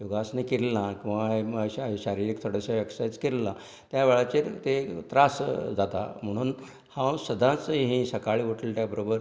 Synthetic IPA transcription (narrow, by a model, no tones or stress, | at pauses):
joɡasnakeɾlãkĩʋaeɕaɾiɾikt̪ʰoɽəsaʋjəksajt͡skeɾla | t̪jaʋeɭat͡ɕeɾt̪et̪ɾasd͡zat̪a̰m̤əɽ̃uːn | hãwsəd̪ʱãt͡sɦĩsəkaɭiʋoʈʰəlʈ̪jabəɾobəɾ